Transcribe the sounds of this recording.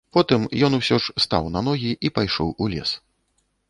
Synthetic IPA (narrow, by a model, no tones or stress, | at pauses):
pɔt̪ɨmjɔnusʲɔʂst̪a̰wnɐn̪ɔɣʲiʔipajʂɔwulʲɛ̰s